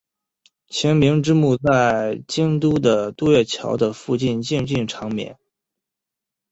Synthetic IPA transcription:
t͡ɕʰɛ˧˥nmi˧˥ŋʈ͡ʂɻ̩˥mu˥˧t͡sa˥˩ɪt͡ɕi˥nt̪u˥d̪ə˨t̪u˥˧ɥɛ˥˩t͡ɕʰjɑ̰˧˥ʊd̪ə˧fu˥˧t͡ɕi˥˧nt͡ɕi˥˧ŋt͡ɕi˥˩ŋʈ͡ʂʰɑ˧˥ŋmjɛ̰˧˥˦n

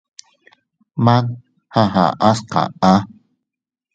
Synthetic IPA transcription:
ma˦k̚ | ha˦ɦa̰˨ʔa˦sqa̰˨a˦

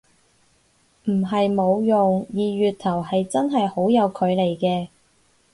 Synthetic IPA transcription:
m̩˨˩ɦɐ˨jmo˨˧wjʊ˨ŋjiː˨ɥyː˨t̚t̪ʰɐ˨˩whɐ˨jt͡sɐ˥nɦɐ˨jho˨˥wjɐ˨˧wkʰɵ˨˧ɥle˨˩jkɛː˧

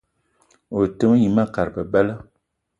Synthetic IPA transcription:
o˨tə˦mə˦ɲi˨ma˦ka˨ɾpə˨bɛ˦lə˦

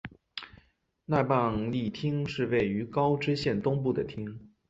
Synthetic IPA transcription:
na˥˧pɑ˥˧ŋli˥˩t̪ʰi˥ŋʂɻ̩˥˧we˥˩ɪy˧˥kɑ˥ʊʈ͡ʂɻ̩˥ɕjɛ˥˩nt̪ʊ˥ŋp̬u˥˩d̪ə˩t̪ʰi˥ŋ

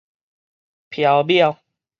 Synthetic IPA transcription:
pʰja˨˧wbja˥˧w

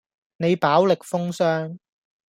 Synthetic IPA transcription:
ne˨˧jpaː˨˥wlɪ˨k̚fʊ˥ŋsœː˥ŋ

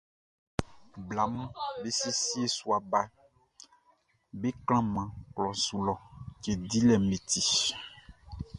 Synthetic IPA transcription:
bla˨m˦be˦si˦si˦e˦su˦a˨ba˦ | be˦kl̃ã˦mã˨klɔ̃˨su˨lɔ˨ke˨d̪i˦lɛ˨mẽ˨t̪i˨

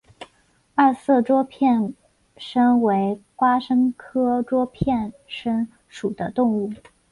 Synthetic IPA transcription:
a˥˧sɤ˥˩ʈ͡ʂwɔ˥pʰjɛ˥˩n | ʂə˥ŋwe˧˥ɪkwa˥ʂɤ˥ŋkʰɤ˥ʈ͡ʂwɔ˥pʰjɛ˥˩nʂə˥ŋ | ʂu˨˩d̪ə˦t̪ʊ˥˧ŋu˥˩

